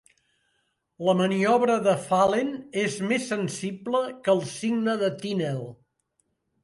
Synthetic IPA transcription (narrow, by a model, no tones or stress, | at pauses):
ləməniɔβɾəðəfalenezmesːənsibləkəlˠsiɡnəðət̪inɛlˠ